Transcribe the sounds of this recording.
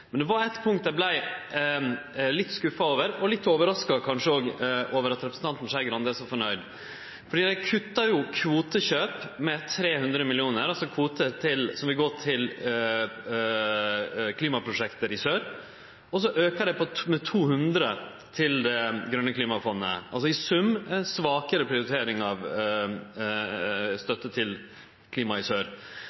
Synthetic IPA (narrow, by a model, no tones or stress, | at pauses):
mɛnd̪ɛʋɑɾæɪt̪pʰʊŋkt̪̚d̪æblæɪ | lɪt̪ːskʉfɑoːʋəɾɔlɪt̪ːoːʋəɾɑskɑkʰɑnʂəoːɡʔoːʋəɾɑt̪ɾɛpɾəsn̩t̪ʰɑnt̪n̩sæɪɡɾɑnd̪eːsɔfɔɳœʏd̪ | fɔɖiːd̪ɛkʰʉt̪ːɑjʊkʰʋuːt̪əɕøːpmɛt̪ʰːɾeːhʉnd̪ɾəmɪlɪuːnəɾɑlsɔkʰʋuːt̪ət̪ʰɪlsɔmʋɪlɡɔt̪ʰɪl | kʰliːmɑpʰɾʊʂɛkt̪əɾɪsøːɾ | ɔs̬ɔʔøːkəd̪ɛpʰɔmɛt̪ʰuːhʉnd̪ɾə | t̪ʰɪld̪ɛɡɾœnːəkʰliːmɑfɔnːə̰ʔɑ̰lsɔɪsʉmɛnsʋɑːkəɾəpʰɾɪʊɾɪt̪ʰeːɾɪŋɑʋ | st̪œt̪ːət̪ʰɪl | kʰliːmɑɪsøːɾ